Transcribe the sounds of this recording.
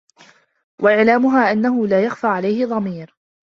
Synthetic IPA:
wʔaʔɪʕlaːmʊɦaːʔanːaɦʊlaːjaxfaːʕalajhɪðˤɑmiːɾ

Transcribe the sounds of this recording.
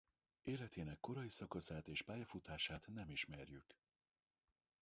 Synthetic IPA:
eːlɛt̪eːnɛkːo̞ɾɒjisɒkɒsaːt̪eːʃpaːjɒfut̪aːʃaːt̪nɛmiʃmɛrjyk

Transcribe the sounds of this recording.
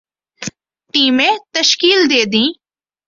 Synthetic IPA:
ʈiːmẽt̪əʃkiːld̪eːd̪ĩː

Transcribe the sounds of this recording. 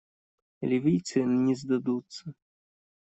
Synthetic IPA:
lʲivʲijt̪sɨnʲɛzd̪ad̪ut̪sːɐ

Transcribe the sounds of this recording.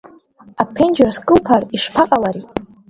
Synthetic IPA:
apʰend͡ʒarskʼɨlpʰariʂpʰaqʼalaɾi

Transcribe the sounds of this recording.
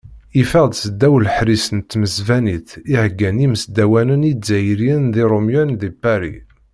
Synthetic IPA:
ifæʁd̪səd̪ːæwlħɾisənt̪ːməzvæniθiʕəɡːæniməsd̪æwænənizæjɾiənðiɾˤomjænðibæɾḭ

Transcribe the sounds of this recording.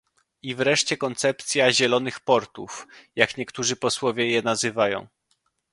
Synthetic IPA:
ivɾɛʂt͡ɕɛkɔnt̪sɛp̚t̪sʲjaʑɛlɔnɘxpɔɾt̪ufjakɲɛkt̪uʐɘpɔswɔvʲjɛjɛnazɘvajɔ̰̃w̃

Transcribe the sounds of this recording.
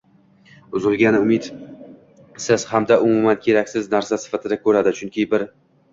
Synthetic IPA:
ʊzɪlˠɡʲanɪʊmɪt̪ | sɪz̥hamd̪aʔʊmumankʲʰe̞ɾakʲsɪznaɾsasɪ̥fat̪ʰɪd̪akʰɵɾad̪ɪt͡ʃʰʊŋkʲʰɪbɪɾ

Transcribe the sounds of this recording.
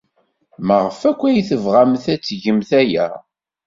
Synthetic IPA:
məʁəfækʷːæjθəvʁamθæt͡sːʝəmθæjæ̰

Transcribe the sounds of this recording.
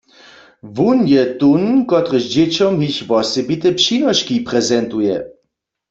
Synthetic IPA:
vunjɛt̪unkɔt̪ʁəʃd͡ʑet͡ɕɔmɦiçʋɔsɛbit̪ɛpʃinɔʃkipʁɛzɛnt̪ujɛ̰

